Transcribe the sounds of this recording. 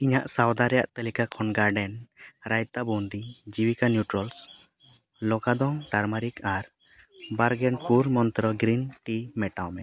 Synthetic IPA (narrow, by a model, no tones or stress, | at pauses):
iɲaʔsawd̪aɾɛja̰ʔt̪alikakʰɔnɡaɾɖɛnɾajt̪abund̪id͡ʒibikanjuʈɾɔls | lɔkad̪ɔŋʈaɾmaɾikaɾ | baɾɡɛnpuɾmɔnt̪ɾɔɡɾinʈimɛʈawmɛ